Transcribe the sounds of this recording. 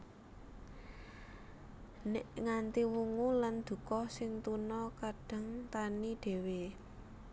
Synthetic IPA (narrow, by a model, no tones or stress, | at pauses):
nɪʔŋant̪iwuŋuland̪̥ṳkɔsɪŋt̪unɔkaɖ̥a̤ŋt̪aniɖ̪̥e̤we